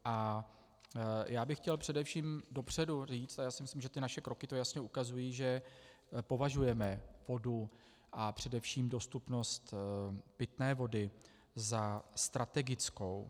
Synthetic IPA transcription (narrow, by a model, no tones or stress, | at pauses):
ʔa | jaːbɪxːcɛlpr̝̥ɛdɛfʃiːmdo̞pr̝̥ɛduriːt͡st̪ajaːsɪmɪslimʒɛt̪ɪnaʃɛkɾo̞kɪt̪o̞jasɲɛʔukazujiːʒɛ | po̞vaʒujɛmɛv̥o̞du | ʔapr̝̥ɛdɛfʃiːmdo̞st̪upno̞st̪pɪt̪nɛːvo̞dɪ | zast̪ɾat̪ɛɡɪt͡sko̞w